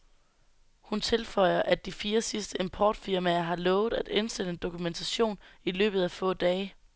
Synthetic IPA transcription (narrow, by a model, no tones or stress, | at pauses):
hunt͡sʰe̝lfɒ̽ɪ̰ɐʔæd̥̚ːifiːɐsisd̥əe̝mpʰɒ̰ːd̥fiɐmæːɐɦɑ̈lɔːʊð̩ˠæd̥ensenəend̥o̝kʰument͡sʰæɕo̝̰ːnilø̰ːb̥ð̞̩ˠæfɔ̰̽ːd̥ɛːɪ